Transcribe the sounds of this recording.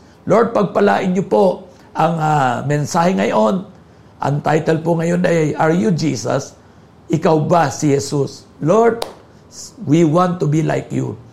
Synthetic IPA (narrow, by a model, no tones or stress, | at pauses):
loɹd̪̚pɐɡ̚pɐla̰ːʔɪnɲopo̞ | ʔɐŋamɛnsaːhɛŋɐjo̞n | ʔɐ̰ŋt̪ajt̪ɛlpʊŋɐjonɐjʔɐɹjʊd͡ʒiːsɐ̰s | ʔɪkawbasɪhɛsus | loɹd̪̚ | wiwãnt̪ːʊbila̰jkjṵ